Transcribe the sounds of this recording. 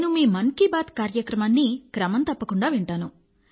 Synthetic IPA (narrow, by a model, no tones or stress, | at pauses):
numiːmɐŋkibaːt̪kaːɾjɐkɾɐmaːnːikɾɐmɐnt̪ɐpːɐkuɳɖaːʋiɳʈaːnu